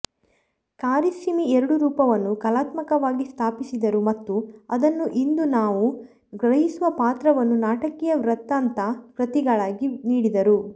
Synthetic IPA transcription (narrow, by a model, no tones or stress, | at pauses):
kaːɾisimiɛɾɐɽuɾuːpɐʋɐnːukɐlaːt̪mɐkɐʋaːɡist̪ʰaːpisid̪ɐɾumɐt̪ːuɐd̪ɐnːuʔind̪unaːʋu | ɡɾɐɦisuʋɐpaːt̪ɾɐʋɐnːunaːʈɐkːɛjɐʋɾɐt̪ːaːnt̪ɐkɾɐt̪iɡɐɭaːɡiniːɽid̪ɐɾu